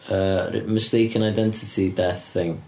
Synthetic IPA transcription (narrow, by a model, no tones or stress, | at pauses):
ə̰ːməstejkʰə̃najdɛntʰɪtʰidɛθɪŋ